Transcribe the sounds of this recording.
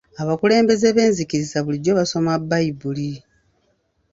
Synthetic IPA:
aβakule̞ːmbe̞zeβe̞ːnzikiɾizaβuliɟo̞βaso̞mabːajibuli

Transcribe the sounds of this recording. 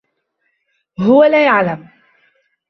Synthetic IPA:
ɦʊwalaːjaʕlam

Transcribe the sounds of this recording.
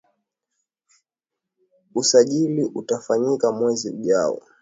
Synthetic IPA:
usaʄiliʔutafaɲikamwɛziuʄaɔ̰

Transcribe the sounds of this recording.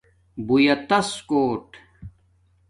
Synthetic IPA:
bujɐt̪ɐskoːʈ

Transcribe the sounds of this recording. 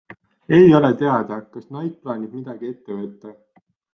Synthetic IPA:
e̞jo̞le̞t̪e̞ɑd̪̥ɑkɑsnɑjk̪̚plɑːnʲid̥̪mid̪̥ɑɡ̥ie̞t̪ːe̞vɤt̪ˑːɑ

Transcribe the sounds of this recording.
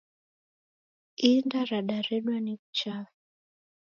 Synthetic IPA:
indaɾaɗaɾɛɗwanikut͡ʃavi

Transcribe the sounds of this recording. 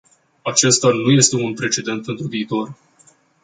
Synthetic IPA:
at͡ʃe̞st̪anuje̞st̪e̞unpɾe̞t͡ʃe̞d̪e̞nt̪̚pe̞nt̪ɾuviːt̪o̞r

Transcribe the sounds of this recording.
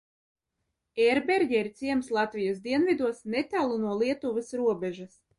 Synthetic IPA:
ɛɾbeɾɟʲɛiɾt̪sʲiɛmslˠat̪vʲijasd̪iɛnvʲid̪uɔsnet̪ʲælˠunuɔlˠiɛt̪uvɨsɾuɔbʲɛʒɐs

